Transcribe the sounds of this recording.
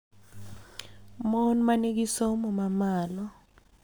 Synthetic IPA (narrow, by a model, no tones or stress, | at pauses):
mɔnmaniɡisomɔmamalɔ